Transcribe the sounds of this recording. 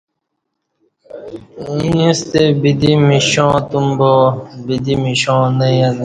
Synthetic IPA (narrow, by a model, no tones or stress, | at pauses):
ĩũst̪ebid̪imiɕõːt̪umbobid̪imiɕõːnɐjɐn